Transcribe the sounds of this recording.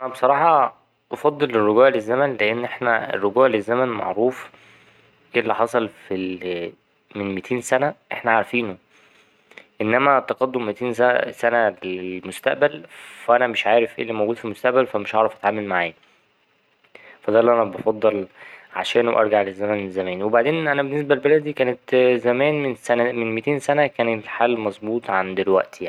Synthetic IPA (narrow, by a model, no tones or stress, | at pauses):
ʔænæbesˤɑɾˤɑːħɑ | bɑfɑd̪ˤːelerːoɡuːʕlezːæmænleʔenːʔeħnæḛrːoɡuːʕlezːæmænmɑ̰ʕɾuːf | ʔelːiħɑsˤɑlfi | menmet̪ʰeːnsænæʔeħnæʕaɾˤfiːno | ʔenːæmæt̪ɑqɑd̪ːomːet̪iːnæsænæleelmost̪æ̰ʔbælfæʔænæmeʃʕaːɾefʔḛːlːimowɡuːd̪filmost̪æʔbælfæmeʃʔɑʕɾˤɑfʔæt̪ʕaːmælmaʕa̰ːj | fæd̪æːlːʔænæbɑfɑd̪ˤːɑlʕa̰ʃæːnwʔɑ̰ɾˤɡaʕlezːæmænezːæmæːnwebaʕd̪eːnʔænæbenːesbælbælæd̪iːkæːnet̪zæmæːnmensænæmenmet̪eːnsænækæːneħaːlːmɑzˤbuːt̪ˤʕand̪elwæ̰ʔt̪jani